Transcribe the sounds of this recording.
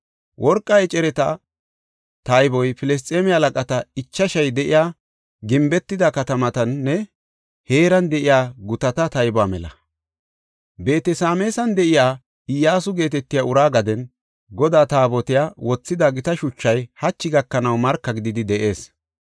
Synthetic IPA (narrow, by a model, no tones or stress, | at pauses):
wʔɔɾkʼːɐɛt͡ʃʼɛɾɛt̪ɐ | t̪ɐjbɔjpɪlɛs̬t̪ʼeːmɪalɐkʼɐt̪ɐɪt͡ʃːɐʃɐjd̪ɛʔɪjaː | ɡɪmbɛt̪ːɪd̪ɐkɐt̪ɐmɐt̪ɐnːɛ | he̞ːɾɐnd̪ɛʔɪjaːɡʊt̪ɐt̪ɐt̪ɐjbɔaːmɛlɐ̰ | be̞ːt̪ɛsaːmeːsɐnd̪ɛʔɪjaː | ɪjːaːsʊɡe̞ːt̪ɛt̪ːɪjaʊɾaːɡɐd̪ɛn | ɡɔd̪aːt̪aːbɔt̪ɪjaːwɔt͡sːɪd̪ɐɡɪt̪ɐʃʊt͡ʃːɐjhɐt͡ʃːɪɡɐkːɐnɐwmɐɾkːɐɡɪd̪ɪd̪ɪd̪ɛʔe̞ːs